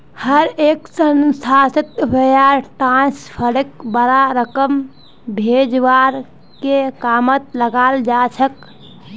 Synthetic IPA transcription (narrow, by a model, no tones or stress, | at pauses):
həɾeksənsʰasət̪bəjaɾʈãspʰəɽek̚bəɾaɾəkəm | bʱed͡ʒʋaɾ | kekamət̪̚ləɡald͡ʒat͡ʃʰək